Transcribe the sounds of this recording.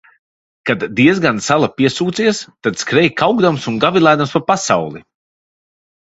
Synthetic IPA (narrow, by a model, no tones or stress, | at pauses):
kad̪d̪iɛzɡansalˠapiɛsuːt̪siɛst̪ad̪skɾɛjkawɡd̪amsunɡavilˠajd̪amspapasawlˠi